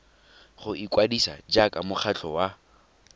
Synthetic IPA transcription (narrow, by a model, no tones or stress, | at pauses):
χʊikʼwadisa̰d͡ʒakʼamʊχʰat͡ɬʰɔwa